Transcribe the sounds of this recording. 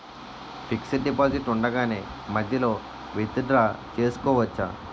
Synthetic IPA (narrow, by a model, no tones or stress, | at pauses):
pʰiksɐɖipaːziʈuɳɖɐɡaːneː | mɐd̪ʱjɐlo̞ː | ʋit̪id̪ɾaːt͡ʃe̞ːsu̥kɔːʋɐt͡ʃːa̰ː